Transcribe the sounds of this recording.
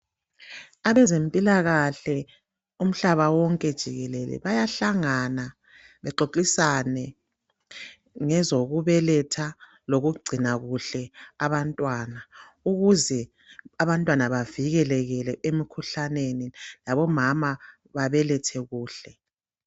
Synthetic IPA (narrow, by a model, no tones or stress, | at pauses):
aβɛzempʼilaɣaɬɛ | um̩ɬaβawɔŋkʼɛd̥ʒ̥ʱiɣɛlɛlɛ̰βajaɬaŋana | βɛǃoǃisanɛ | ŋɛzoɣuβɛlɛtʰa | loɣuɡ͡ǀʱinaɣuɬɛaβantʼwana | uɣuzɛ | aβantʼwanaβaviɣɛlɛɣɛlɛʔemikʰuɬanenilaβɔmama | βaβɛlɛtʰɛɣuːɬɛ